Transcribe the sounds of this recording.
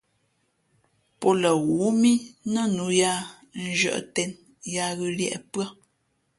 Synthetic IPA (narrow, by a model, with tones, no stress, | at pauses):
pɔ˦lə˨ɣu˨˦mi˦nə˦˨nu˨˦ja˦˨ | n̩˦ʒɥə̰˦˨ʔtɛ˨n | ja˦ɣʉ˨ljɛ̰˦˨ʔpɰə˦˨